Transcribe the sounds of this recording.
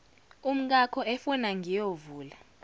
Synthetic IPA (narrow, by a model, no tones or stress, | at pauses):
um̩k̬akʰɔɛfɔnaŋʱijovuːla